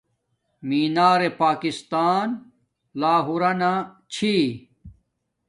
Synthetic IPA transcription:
miːnaːɾepaːkist̪aːn | laːɦuɾɐna | t͡ɕʰi

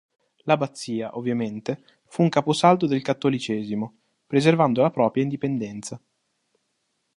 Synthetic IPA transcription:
labat̪sːiːaʔovːjament̪e | fuːŋkaːposalt̪od̪elkat̪ːolit͡ʃɛːzimo | pɾezervand̪olapɾɔːpɾjaind̪ipend̪ɛnt̪sa

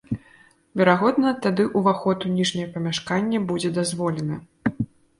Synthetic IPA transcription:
vʲɛɾaɣɔd̪nɐt̪ad̪ɨʔuvaxɔt̪unʲiʐnʲɐjɛɐpɐmʲaʂkanʲːɐbud͡zʲɛd̪azvɔlʲɛnɐ

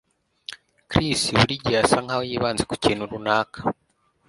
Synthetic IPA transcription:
kɾisiwuɾiɟasaŋhawejiːβaːnzeku̥ciːnuɾunaːkḁ

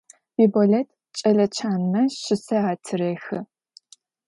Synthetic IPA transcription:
biboɔletʰ | t͡ʃʼɐɮɐt͡ʃʰaːnmɐʃɪsɐaːtʰɨɾeːxɨ

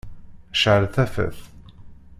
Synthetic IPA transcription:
ʃʕəɾθæfə̰θ

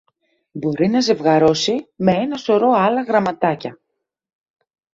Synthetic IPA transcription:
bo̞ɾinɐze̞vɣɐɾo̞sime̞e̞nɐso̞ɾo̞ɐlɐɣɾɐmɐt̪ɐcɐ

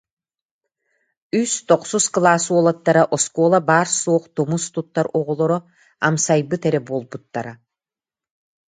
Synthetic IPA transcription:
yst̪ɔqsusklˠaːsuɔlˠat̪ːaɾaʔɔskɔːlˠabaːɾsoːqt̪ɔmust̪ut̪ːaɾɔʁɔlˠɔɾɔ | amsajbɯt̪ɛɾɛbolˠbut̪ːaɾa

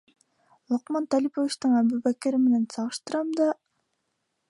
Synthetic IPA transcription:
lˠoqmɑnt̪ælʲipovʲit͡ʃt̪ɯŋæbubækæɾimenensɑʁɯʃt̪ɯɾɑmd̪ɑ

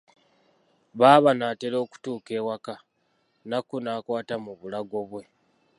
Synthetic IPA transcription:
βaːβanaːte̞ɾo̞ːku̥tuːke̞ːwaka | nakunaːkwaːtamuβulaɡo̞βwe̞

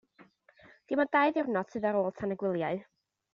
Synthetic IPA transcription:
d̥imɔd̥aɨðɪrnɔ̥sʰɨðaɾoːlˠtʰanəɡwɪlˠjaɨ

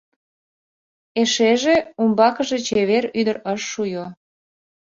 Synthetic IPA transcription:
eʃeʒeumbɑkəʒet͡ɕeβeɾyd̪əɾəʃːujo

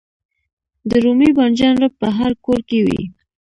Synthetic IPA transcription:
d̪əɾumibɑnd͡ʒɑnɾəp̚pəɦaɾkoɾkewḭ

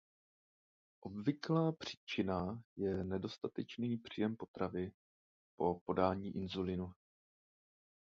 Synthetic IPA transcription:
ʔo̞bvɪklaːpr̥i̥ːt͡ʃɪnajɛnɛdo̞st̪at̪ɛt͡ʃniːpr̝̥ijɛmpo̞t̪ɾavɪ | po̞po̞daːɲiːʔɪnzulɪnu

